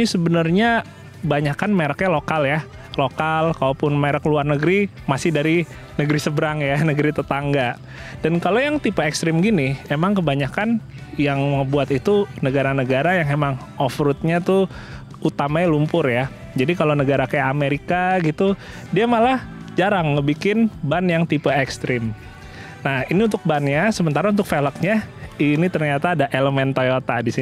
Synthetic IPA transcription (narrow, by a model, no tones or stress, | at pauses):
səbənərɲa | baɲakanmeɾakɲalokalja | lokalkaopʊnmeɾakluarnəɡəɾi | masɪhdaɾi | nəɡəɾisəbəɾaŋjanəɡəɾit̪ət̪aŋɡa | d̥ankalojaŋt̪ipaekst̪ɾɪmɡiniemaŋkəbaɲakan | jaŋməbuat̪it̪unəɡaɾanəɡaɾajaŋemaŋ | ɔfɾʊt̪̚ɲat̪u | ut̪amaɲlumpʊrja | d͡ʒadikalonəɡaɾakajakameɾikaɡit̪u | diamalahd͡ʒaɾaŋːəbikɪnbanjaŋt̪ipaekst̪ɾɪm | nahiniunt̪ʊk̚banjasəmənt̪aɾaunt̪ʊk̚felək̚ɲainit̪ərɲat̪aːdaʔeləmɛnt̪ojot̪adisi